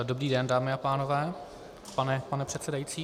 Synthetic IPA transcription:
do̞bɾiːdɛndaːmɪapaːnovɛː | panɛpanɛpr̝̥ɛt̪sɛdajit͡siː

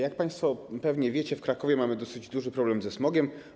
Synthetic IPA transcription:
jak̚paj̃st̪fɔpɛvɲɛvʲjɛt͡ɕɛfkɾakɔvʲjɛmamɘd̪ɔsɘd͡ʑd̪uʐɘpɾɔblɛmzɛsmɔɡʲɛm

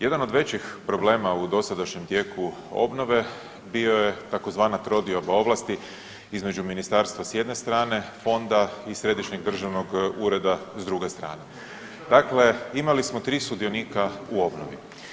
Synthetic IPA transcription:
je̞d̪ano̞d̪ʋe̞t͡ɕixpɾo̞ble̞ːmaud̪o̞sad̪aʃɲemt̪je̞kuo̞̰bno̞ʋe̞ | bio̞je̞t̪ako̞zʋaːnat̪ɾod̪iobao̞ʋlast̪i | izme̞d͡ʒuminist̪aɾst̪ʋasje̞d̪ne̞st̪ɾaːne̞fo̞nd̪aisɾe̞d̪iʃɲeɡd̪r̩ʒaʋno̞ɡuːɾe̞d̪azd̪ɾuɡe̞st̪ɾa̰ːne̞ | d̪akle̞imalismo̞t̪ɾiːsud̪io̞niːkauo̞bnoʋḭ

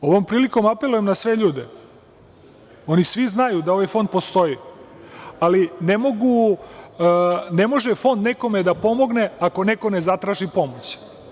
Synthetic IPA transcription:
o̞ʋo̞mpɾiːliko̞mape̞lˠuje̞mnasʋe̞ʎuːd̪e | o̞nisʋiznajud̪ao̞ʋajfo̞nd̪̚po̞st̪o̞ji | alinemo̞ɡu | ne̞mo̞ʒefo̞nd̪neko̞med̪apo̞mo̞ɡne̞ako̞neko̞ne̞zat̪ɾaːʃipo̞mo̞t͡ɕ

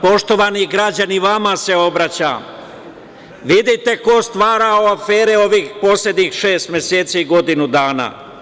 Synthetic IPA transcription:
po̞ʃt̪o̞ʋaniɡɾad͡ʑaniʋamase̞o̞bɾat͡ɕa̰m | ʋid̪it̪e̞ko̞st̪ʋaːɾaoafeːɾeo̞ʋiːxpo̞sle̞d̪ɲixʃe̞ːst̪mje̞seːt̪siiɡo̞d̪inud̪aːna̰ː

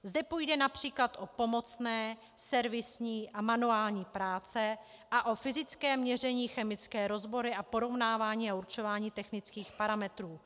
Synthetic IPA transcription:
zdɛpujdɛnapr̝̥iːklat̪ʔo̞po̞mo̞t͡snɛː | sɛɾvɪsɲiːʔamanuaːlɲiːpɾaːt͡sɛ | ʔaʔo̞fɪzɪt͡skɛːmɲɛr̝ɛɲiːxɛmɪt͡skɛːɾo̞zbo̞ɾɪʔapo̞ɾo̞vnaːvaːɲiːauɾt͡ʃo̞vaːɲiːt̪ɛxnɪt͡skiːxpaɾamɛt̪ɾuː

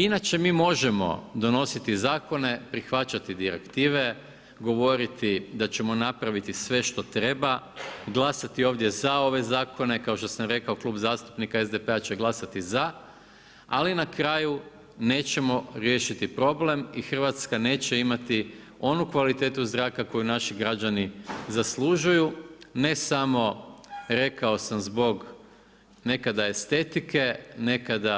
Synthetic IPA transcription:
inat͡ʃe̞miːmo̞ʒe̞mo̞̰d̪o̞no̞sit̪izaːko̞ne̞pɾixʋat͡ɕat̪id̪iɾḛkt̪iːʋe̞ | ɡo̞ʋo̞ɾit̪id̪at͡ɕe̞mo̞napɾaʋit̪isʋe̞ʃt̪o̞t̪ɾe̞baɡlˠasat̪io̞ːʋd̪je̞zao̞ʋe̞zaːkʰo̞ne̞kao̞ʃt̪o̞samɾe̞kaoklˠuːbzaːst̪u̥pnikaezd̪epeat͡ɕeɡlˠasat̪iza | alinakɾaːju | ne̞ːt͡ɕe̞mo̞ɾje̞ːʃit̪ipɾo̞ble̞mixrʋat̪skane̞ːt͡ɕe̞imat̪i | o̞nukʋalit̪e̞ːt̪uzɾaːkako̞junaʃiɡɾad͡ʑanizaslˠuːʒujune̞samo̞ɾe̞kao̞samzbo̞ɡ | ne̞kad̪ae̞st̪e̞t̪ikʰe̞ne̞kad̪a

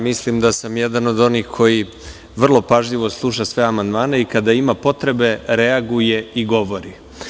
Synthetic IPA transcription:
mislimd̪asamjed̪ano̞d̪o̞nixkʰo̞ji | ʋr̩lˠo̞paʒʎiʋo̞slˠuʃasʋe̞amand̪maːne̞ikad̪aimapo̞t̪ɾe̞be̞ɾeaɡuje̞iɡo̞ʋo̞ɾi

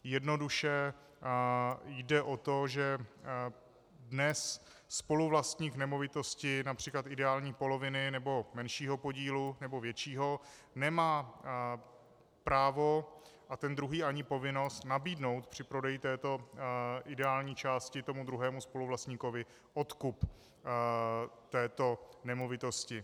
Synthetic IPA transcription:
jɛdno̞duʃɛ | jdɛʔo̞t̪oʒɛ | dnɛsː | po̞luvlast̪ɲiːknɛmo̞vɪt̪o̞scɪnapr̝̥iːklat̪ɪdɛaːlɲiːpo̞lovɪnɪnɛbo̞mɛnʃiːɦo̞po̞ɟiːlunɛbo̞vjɛt͡ʃiːɦo̞ | nɛmaː | pɾaːvo̞ʔat̪ɛnd̪ɾuɦiːʔaɲɪpo̞vɪno̞st̪nabiːdno̞wt̪pr̝̥ɪpɾo̞dɛjɪt̪ɛːt̪o̞ʔɪdɛaːlɲiːt͡ʃaːscɪt̪o̞mud̪ɾuɦɛːmuspo̞luvlast̪ɲiːko̞vɪ | ʔot̪kup | t̪ɛːt̪o̞nɛmovɪt̪o̞scɪ

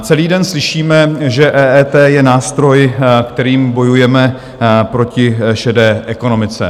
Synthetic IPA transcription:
t͡sɛliːdɛnslɪʃiːmɛʒɛʔɛːʔɛːt̪ɛːjɛnaːst̪ɾo̞jkt̪ɛɾiːmbo̞jujɛmɛ | pɾo̞cɪʃɛdɛːʔɛko̞no̞mɪt͡sɛ̰

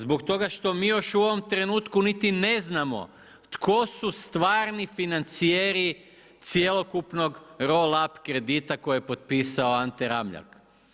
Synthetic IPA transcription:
zbokt̪o̞ɡaʃt̪o̞miːjo̞ʃuo̞ʋo̞mt̪ɾe̞nuːt̪kunit̪ine̞znamo̞̰ | t̪kʰo̞sust̪ʋaːɾnifinant̪sijeɾi | t̪sjelˠo̞kupno̞ɡɾo̞lapkɾe̞d̪it̪ako̞jijepo̞t̪̚piːsaoant̪eɾamʎa̰k

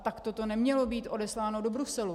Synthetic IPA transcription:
t̪akt̪ot̪o̞nɛmɲɛlobiːt̪ʔo̞dɛslaːno̞dobɾusɛlu

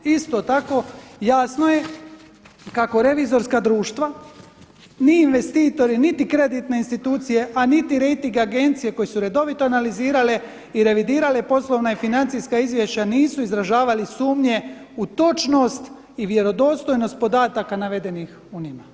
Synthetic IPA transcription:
ist̪o̞t̪ako̞jaːsno̞je̞ | kako̞ɾe̞ʋizo̞ɾskad̪ɾuːʃt̪ʋa | niinʋe̞st̪iːt̪o̞ɾinit̪ikɾe̞d̪it̪neinst̪it̪uːt̪sije̞ʔanit̪iɾe̞jt̪iŋɡaɡe̞nt̪sije̞ko̞jesuɾe̞d̪o̞ʋit̪oanaliziːɾale̞ | iɾe̞ʋid̪iːɾale̞po̞slˠo̞ʋnaifinant̪sijskaizʋje̞ʃt͡ɕaniːsuizɾaʒaːʋalisuːmɲe̞ut̪o̞t͡ʃno̞st̪ | iʋje̞ɾo̞d̪o̞ːst̪o̞jno̞st̪̚po̞d̪aːt̪akanaʋe̞d̪e̞nix | uɲima

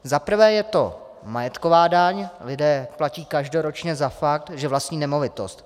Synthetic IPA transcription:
zapr̩vɛːjɛt̪o̞̰ | majɛt̪kovaːdaɲlɪdɛːplaciːkaʒdo̞ɾot͡ʃɲɛzafak̚t̪ʒɛvlast̪ɲiːnɛmo̞vɪt̪o̞st̪

